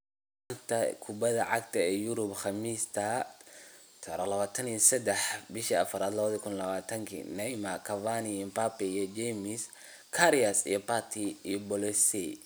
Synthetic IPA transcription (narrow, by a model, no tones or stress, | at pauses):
ant̪ʰɐkʰʊbɐðɐʕɑɡt̪ʰɐɛːjʊɾʊbχɑmiːst̪ʰɐ | t̪ʰɐɾɐlɐβaːt̪ʰɐnijɔsɛd̪ɛħbɪʃiɐfɐɾaːd̪lɐβɐðɔkʰʊnlɐβaːt̪ʰɐŋkʰḭnɛjmɐkʰɐvanimpapɛijɔd͡ʒɛmɪs | kʰɐɾijɐsḭjɔpat̪ʰiijɔbɔlɛsi